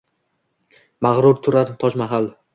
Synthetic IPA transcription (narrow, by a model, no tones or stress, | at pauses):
maʁɾʊɾt̪ʰʊɾaɾt̪ʰɒʃmaɦal